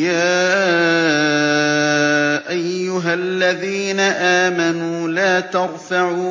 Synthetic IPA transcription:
jaː | ʔajːʊɦalːaðiːnaʔaːmanuːlaːt̪ɑɾˤfaʕuː

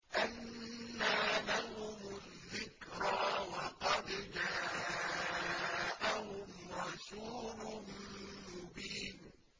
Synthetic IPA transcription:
ʔanːaːlahʊmʊ | ðːɪkɾawɑqɑd̪d͡ʒaː | ʔahʊmɾɑsuːlʊmmʊbiːn

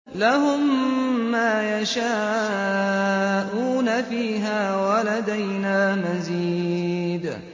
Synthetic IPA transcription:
laɦʊmː | aːjaʃaː | ʔuːnafiːɦaːwalad̪ajnaːmaziːd̪

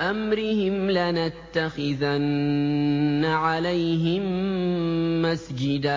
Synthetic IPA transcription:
ʔamɾɪhɪmlanat̪ːaxɪðanː | aʕalajɦɪmː | asd͡ʒɪd̪aː

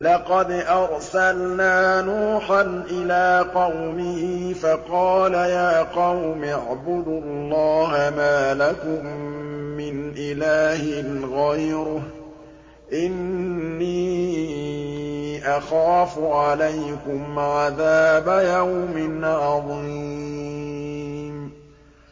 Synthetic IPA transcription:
lɑqɑd̪ʔɑɾˤsalnaːnuːħanʔɪlaːqɑwmɪhifɑqɑːlajaːqɑwmɑʕbʊd̪ʊlːɑːɦamaːlakʊmː | ɪnʔɪlaːhɪnɣajɾʊ | ʔɪnnːiː | ʔaxaːfʊʕalajkʊmʕaðaːbajawmɪnʕɑðˤi | m

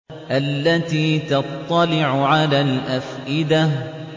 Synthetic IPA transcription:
ʔalːat̪iːt̪ɑt̪ˤːɑlɪʕʊʕalaːlʔafʔɪd̪a

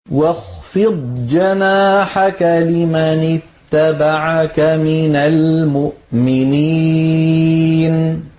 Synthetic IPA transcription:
wɑxfɨd̪̚ˤd͡ʒanaːħakalɪmanɪt̪ːabaʕakamɪnalmʊʔmɪniː | n

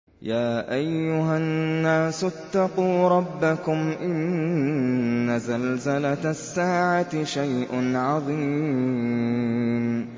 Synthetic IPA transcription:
jaːʔajːʊɦanːaːsʊt̪ːɑquːɾˤɑbːakʊmʔɪn | azalzalat̪asːaːʕat̪ɪʃajʔʊnʕɑðˤiː | m

